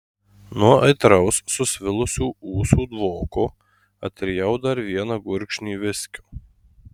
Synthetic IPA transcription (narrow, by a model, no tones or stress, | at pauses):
nuɔʔɐɪt̪ɾɐʊsːʊsʲʋʲɪlˠʊsʲuːuːsuːd̪ʋoːko | ɐ̰t̪ʲɾʲɪjɛʊd̪ɐɾʋʲiɛnɐɡʊɾʲkʃʲnʲiːʋʲɪsʲkʲo̥ː